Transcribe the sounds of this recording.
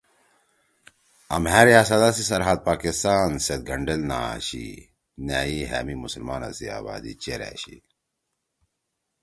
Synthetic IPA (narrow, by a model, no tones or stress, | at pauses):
ɐmɦæːɾjaːs̬ɐd̪asisɐɾɦad̪̚paːkist̪aːnset̪̚ɡʱɐɳɖelnaːɕḭ | næːiɦæːmimusəlmaːnɐ̰sia̰ːba̰ːd̪ḭt͡ɕeɾɛ̰ːɕi